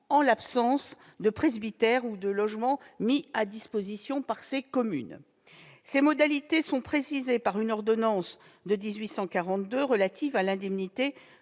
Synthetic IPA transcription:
ɑ̃lapsɑ̃s | d̪əpχezbit̪ɛʁud̪əlɔʒmɑ̃miad̪ispozisjɔ̃paʁsekɔmy̰n | semɔd̪alit̪esɔ̃pχesizepaʁynɔʁd̪ɔnɑ̃s | d̪əd̪izɥisɑ̃kaʁɑ̃t̪̚d̪øʁəlat̪ʰivalɛ̃d̪ɛmnit̪e

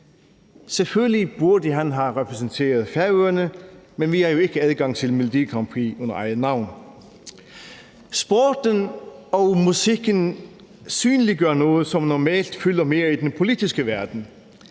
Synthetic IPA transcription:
sɛføllib̥uɐdəɦænɦɑʁɛpʰʁɛsən̩tʰe̝̰ːɐðˠfæɐøːɐnəmenʋihɑjo̝e̝ɡ̥əæðˠɡ̥ɑ̈ŋt͡sʰɪlmɪlʊd̥̪iːkʰʁɑmpʰʁiɔnɐ̰ʔæɪð̩ˠnɑʊn | sb̥ɔːd̥ənɒmusiɡ̥ən | syːnliɡɶɐnɔːð̩əsɒ̽mnɔmɛ̰ːld̥fʏlɐme̝ːɐid̥̪enpʰo̝lidisɡ̥əʋæɐd̪̥n̩

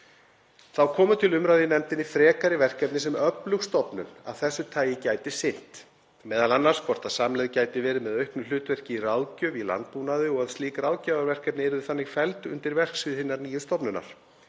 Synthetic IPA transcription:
θawkʰɔːmʏt̪ʰɪlʏmɾajðjɪnɛmt̪ɪnifɾɛːkaɾɪvɛr̥kɛp̚nɪs̬ɛmœplʏɣst̪ɔpnʏ̰na̰ðθɛsːʏt̪ʰaːjɪcaːjt̪ɪsɪn̥t̪ | mɛːðalanːar̥skʰvɔr̥t̪aðsaːmlɛjðcaːjt̪ɪvɛːɾɪmɛðœɥhknʏlʏːt̪vɛr̥cɪiraːwcʏila̰nt̪̚puːnaðʏɔɣaðst̪liːkrawcavaɾvɛr̥kɛp̚nɪɛɾʏðʏθanːɪɣfɛlt̪ʏ̰nt̪ɪɾvɛr̥ksvɪðhɪnːaɾniːjʏst̪ɔpnʏnːa̰ɾ̥

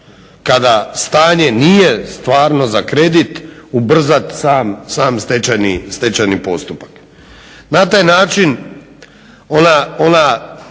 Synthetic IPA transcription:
kad̪ast̪aːɲe̞nije̞st̪ʋaːɾno̞zakɾe̞d̪it̪ubr̩zat̪saːmsaːmst̪et͡ʃanist̪et͡ʃanipo̞st̪upḁk | nat̪aːjnaːt͡ʃin | onaona

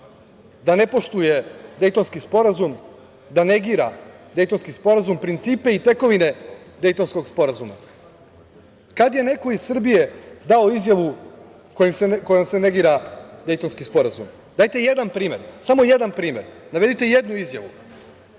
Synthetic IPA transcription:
d̪ane̞po̞ʃt̪uje̞d̪e̞jt̪o̞nskispo̞ɾazum | d̪ane̞ɡiɾad̪e̞jt̪o̞nskispo̞ɾazumpɾint̪siːpe̞it̪e̞ko̞ʋine̞d̪e̞jt̪o̞nsko̞ɡspo̞ɾazuma̰ | kad̪je̞ne̞ko̞izsr̩bije̞d̪ao̞izjaʋu | kojemseko̞jomse̞ne̞ɡiːɾad̪e̞jt̪o̞nskispo̞ɾazṵm | d̪aːjt̪e̞je̞d̪anpɾiːme̞ɾsamo̞je̞d̪anpɾiːme̞ɾnaʋe̞d̪it̪e̞je̞d̪nuizja̰ʋṵ

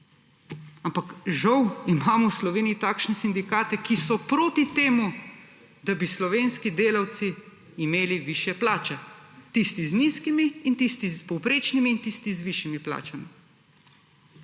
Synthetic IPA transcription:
ampakʒawimaːmɔwslɔʋeːnijit̪aːkʃnɛsind̪ikaːt̪ɛkisɔpɾoːt̪it̪eːmu | d̪abislɔʋeːnskid̪eːlawt̪siː | meːliʋiːʃjɛplaːt͡ʃɛt̪ist̪izniskimiːnt̪ist̪izpɔwpɾeːt͡ʃnimiːnt̪ist̪izʋiʃjimipla̰ːt͡ʃami

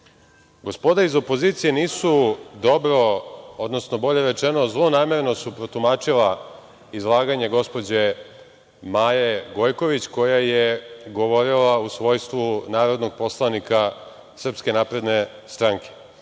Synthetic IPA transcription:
ɡo̞spo̞d̪aizo̞po̞ziːt̪sije̞niːsud̪o̞bɾo̞od̪no̞sno̞bo̞ʎe̞ɾe̞t͡ʃenozlˠo̞naːme̞ɾe̞no̞supɾo̞t̪umaːt͡ʃila | izlˠaːɡaɲe̞ɡo̞spo̞d͡ʑe | maːjeɡo̞jko̞ʋit͡ɕko̞jajeɡo̞ʋo̞ɾilausʋo̞jst̪ʋunaːɾo̞d̪no̞ɡ̚po̞slˠanika | sr̩pske̞naːpɾe̞d̪ne̞st̪ɾaŋkʰe̥

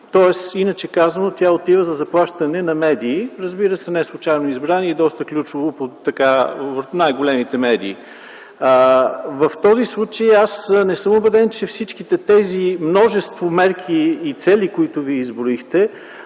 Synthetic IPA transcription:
t̪ɔɛsinət͡ʃɛkazənot̪ʲaot̪ivəzɐzɐplˠaʃt̪ɐnɛnɐmɛd̪iːɾəzbiɾəsɛnɛslˠut͡ʃajnʊizbɾaniɛd̪ɔst̪əklʲut͡ʃʊvopot̪ːɐkavənajɡolʲɛmit̪ɛmɛd̪iː | vəft̪ɔzislˠut͡ʃəjasnɛsɤmobɛd̪ɛnt͡ʃɛfsit͡ʃkit̪ɛt̪ɛzimnɔʒɛst̪vomɛɾk̟ʰiːt̪sɛlʲikoit̪ʊviɛizbɾʊixt̪ɛ

